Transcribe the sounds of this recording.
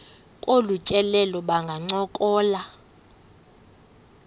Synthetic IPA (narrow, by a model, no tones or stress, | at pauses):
kʼolucʼɛlɛlɔɓaŋɡʱaŋ͡ǀɔkʼɔːla